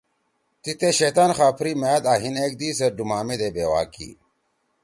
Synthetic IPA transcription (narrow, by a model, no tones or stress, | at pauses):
t̪it̪eɕeːt̪aːnxaːpʰɾimaːd̪aːɦineːk̚d̪iːsɐɾɖumaːmed̪eːbeːwa̰ːkḭ